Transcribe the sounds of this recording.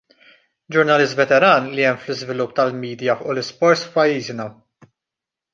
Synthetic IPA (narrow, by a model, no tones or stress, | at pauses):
d͡ʒʊɾnɐlɪst̪vɛt̪ɛɾɐːnliɛmflɪzvɪlʊpːt̪ɐlmiːd̪jɐfʔʊlɪspɔɾt̪sfpɐjːiːznɐ